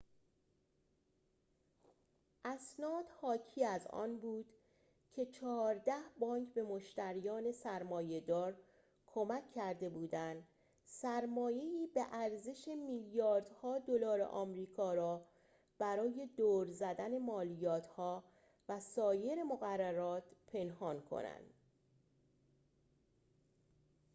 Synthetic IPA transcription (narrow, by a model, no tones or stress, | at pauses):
ʔæsnɒːd̪̥hɒːcʰiːæzɒ̰ːnbuːd̪̥ | cʰe̞t͡ʃʰɒːɾd̪æhbɒːŋkʰbe̞mo̞ʃt̪æɾijɒːne̞sæɾmɒːje̞d̪ɒːɾ | kʰo̞mækʰːæɾd̪e̞buːd̪ænd̪ | sæɾmɒːje̞iːbeʔæɾze̞ʃe̞miljɒːɾd̪̥hɒːd̪o̞lɒːɾḛʔɒ̰ːmɾiːkʰɒːɾɒː | b̥æɾɒːje̞d̪oːɾzæd̪æne̞mɒːlijɒːt̪ʰhɒː | væsɒːje̞ɾemoɣærːæɾɒːt̪pʰe̞nhɒːnkʰo̰næ̰nd̪̥